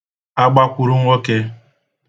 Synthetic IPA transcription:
a˦ɡ͡ba˦kʷʊ˨ɾu˦ŋʷo˦ke˦

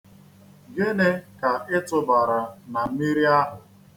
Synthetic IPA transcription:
ɡe˦ne˦ka˨ɪ˦tʊ˨ba˨ɾa˨na˨m̩˦mi˦ɾi˦a˦ɦʊ˨

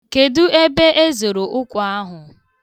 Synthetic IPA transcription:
ke˨dʊ˦e˦be˦ʔe˦zo˨ɾo˨ʔʊ˦kʷʊ˨a˦ɦʊ˨

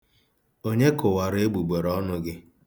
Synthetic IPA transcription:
o˦ɲe˦kʊ˨wa˨ɾe˦ɡ͡bu˨ɡ͡be˨ɾɔ˦nʊ˦ɡɪ˦

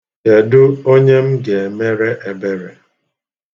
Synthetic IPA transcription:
e˨dʊ˦o˦ɲe˦m̩˦ɡe˨e˨me˦ɾe˦ʔe˨be˦ɾe˨

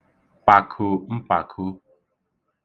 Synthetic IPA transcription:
pa˨kʰʊ˨m̩˦pa˨kʰu˦

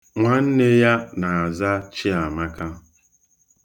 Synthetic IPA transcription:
ŋʷa˨n̩˦ne˦ja˦na˨a˨za˦t͡ʃi˦a˨ma˦ka˦

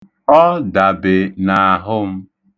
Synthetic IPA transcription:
ɔ˦da˨bɪ˨na˨a˨ɦʊ˦m̩˦

